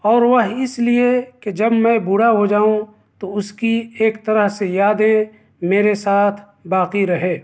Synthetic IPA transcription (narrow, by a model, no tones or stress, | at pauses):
ɔːɾʋəɦɪslieked͡ʒɐbmɛ̃bʱuɽaɦod͡ʒaːũ | t̪oʊskieːkt̪ɐɾəɦsejaːd̪ẽ | meːɾesaːt̪ʰ | baːqiɾɐɦeː